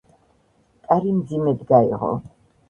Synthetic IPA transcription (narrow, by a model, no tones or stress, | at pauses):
kʼaɾimd̪zimɛd̪ɡaḭʁɔ̰